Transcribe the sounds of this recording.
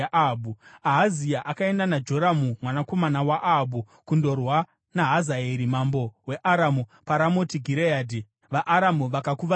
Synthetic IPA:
abuaɦazijaʔakae̞ndanad͡ʒo̞ɾamumwanako̞manawaʔabu | kundo̞rwa | naɦazaeɾimambo̞we̞ʔaɾamupaɾamotiɡʱiɾejaːdi | ʋaʔːɾamuʋakakuʋa

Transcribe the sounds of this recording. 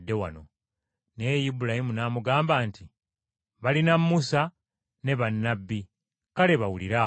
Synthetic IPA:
dːe̞wa̰no̞ | nejibulahimunaːmuɡaːmbaːnti | βalinamːusa | ne̞βanːabːi | kale̞βawuliɾa

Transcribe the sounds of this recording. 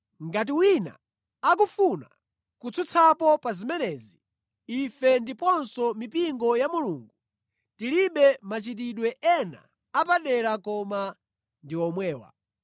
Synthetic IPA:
ŋɡat̬iwina̰ | ak̬ufuna̰ | kut͡sʰut͡sʰapɔpazimɛnɛːzi | ifɛndipɔnsɔmipiŋɡɔjamuluːŋɡu | tiliɓɛmat͡ʃit̬iɗwɛʔɛna̰ | apaɗɛɾakɔma | ndiɔmwɛːwa̰

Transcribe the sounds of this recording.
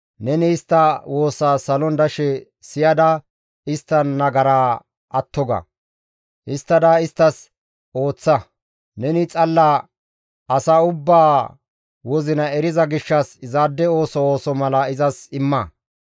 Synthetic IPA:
nɛnɪːst̪ːɐwo̞ːsːaːsɐlɔnd̪ɐʃɛ | sɪjɐd̪ɐ | ɪst̪ːɐnːɐɡɐɾaː | ʔɐt̪ːɔɡɐ̰ | ʔɪst̪ːɐd̪ɐɪst̪ːɐs | o̞ːt͡sːɐ | nɛnɪt͡sʼɐlːa | ɐsaːʊbːaː | wɔzɪnɐɛɾɪzɐɡɪʃːɐsɪzaːd̪ːɛo̞ːsɔoːsɔmɐlɐɪzɐsɪmːɐ

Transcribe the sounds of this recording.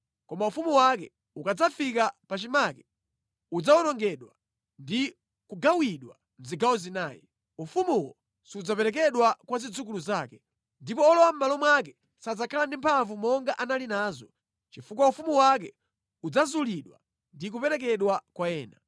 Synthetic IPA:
kɔmaufumuwakɛ | ukad͡zafikapat͡ʃimaːkɛ̥ | ud͡zaɔnɔŋɡɛɗwa | ndi | kuɡawiɗwa | n̩ziɡawɔzinaːjḭ | ufumuwɔ̰ | siud͡zapɛɾɛk̬ɛɗwakwazid͡zuk̬uluzaːkɛ̥ | ndipɔːlɔwam̩malɔmwakɛ | sad͡zakʰalandimpʰavumɔŋɡaʔanalinaːzɔ | t͡ʃifuk̬waufumuwak̬ɛ | ud͡zazuliɗwa̰ | ndik̬upɛɾɛk̬ɛɗwakwajɛːna

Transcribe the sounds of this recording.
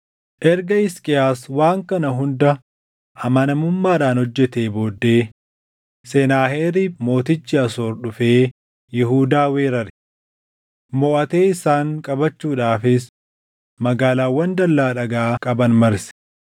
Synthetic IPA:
ʔɛɾɡɐɪskʼɪaːswaːŋkɐnɐɦʊnd̪ɐ | ʔɐmɐnɐmʊmːaːᶑaːnhɔd͡ʒːɛt̪eːbo̞ːd̪ːe̞ː | sɛnaːheːɾiːmo̞ːt̪ɪt͡ʃːɪɐso̞ːɾɗʊfeː | jɪɦuːd̪aːweːɾɐɾɪ̥ | mɔʔɐt̪eːɪsaːŋkʼɐbɐt͡ʃːuːᶑaːfɪs | mɐɡaːlaːwːɐnd̪ɐlːaːᶑɐɡaːkʼɐbɐnmɐɾsɪ̥

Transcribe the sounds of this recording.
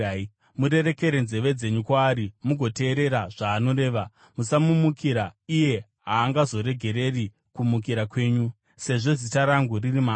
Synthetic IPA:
muɾe̞ɾe̞ke̞ɾenze̞ʋe̞d͡ze̞ɲukwaːɾimuɡʱo̞te̞ːɾe̞ɾaʐaːno̞ɾe̞ːʋa | musamumukiɾaije̞ | ɦaːŋɡazo̞ɾe̞ɡʱe̞ɾe̞ri | kumuk̬iɾakwe̞ːɲu | se̞ʐo̞zitaɾaŋɡuririmaː

